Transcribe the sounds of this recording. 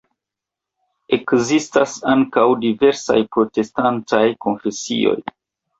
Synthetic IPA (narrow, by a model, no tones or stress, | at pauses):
e̞kzistasaŋkawdive̞ɾsa̰jpɾo̞te̞stantajko̞nfe̞sḭo̞̰j